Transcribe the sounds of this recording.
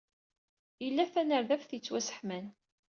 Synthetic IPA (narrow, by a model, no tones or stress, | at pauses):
jəlːæθænəɾðæfθjət͡sːwæsə̥ħmæn